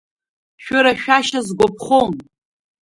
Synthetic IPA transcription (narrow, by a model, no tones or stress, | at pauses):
ʃᶣʊɾaʃᶣaʃazɡʷopʰχon